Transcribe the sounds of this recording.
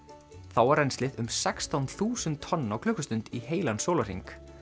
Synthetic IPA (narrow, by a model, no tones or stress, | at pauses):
θawaɾɛjnslɪðʏmsɛkst̪awnθuːsʏnt̪ʰːɔnːawkʰlʏːkʏst̪ʏnt̪iɦeːjlansoːwlar̥ḭŋk